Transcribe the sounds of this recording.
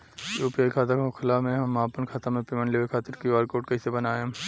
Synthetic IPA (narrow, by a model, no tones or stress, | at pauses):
joːpijaːikʰaːt̪akkʰɪlaːmẽɦɐmaːpənkʰaːt̪amẽpemə̃ɳʈleːʋekʰaːt̪ɪɾkiaːɾkoːʈkɐɪsebɐnaːjã